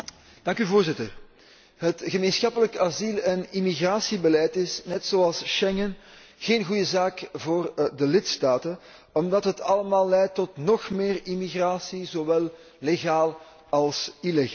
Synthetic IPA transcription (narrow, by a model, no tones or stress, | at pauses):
d̥ɑŋkyvoːrzɪtər | ɦətɣəmeːnsxɑpələkazilˠɛnimiɣraːsibəlɛjtɪsnɛtsoːɑlˠsʃɛŋən | ɣeːnɣujəzaːkvoːrdəlɪtstaːtən | ɔmdɑtɦətɑləmaːlːɛjtːɔtnɔxmeːrimiɣraːsizowɛlˠː | eɣaːlˠ | ɑlˠsileɣ